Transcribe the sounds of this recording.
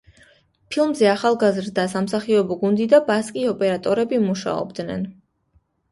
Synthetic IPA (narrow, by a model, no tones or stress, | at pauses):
pʰilˠmzɛaχalˠɡazɾd̪asamsaχiɔbɔɡund̪id̪abaskʼiɔpʼɛɾat̪ʼɔɾɛbimuʃa̰ɔ̰bd̪nɛ̰n